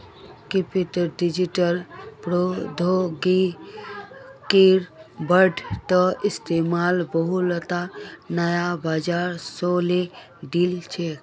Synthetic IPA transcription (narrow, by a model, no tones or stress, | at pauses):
kepiʈəɾɖid͡ʒiʈəlpɾod̪ʱoɡi | kiɾbəɾɖt̪əist̪emalbəɦulət̪anəjabaːd͡ʒaɾsole | ɖilt͡ʃʰe